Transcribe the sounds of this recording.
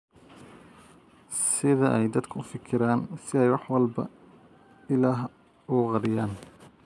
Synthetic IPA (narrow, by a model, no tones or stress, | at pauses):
sɪðɐʔɛjd̪ɐd̪kʰɐʊfɪkʰɪɾaːnsɪɛjwɑħwɑlbɐ̰ | ɪlaːɦ | ʊqɑɾɪjaːn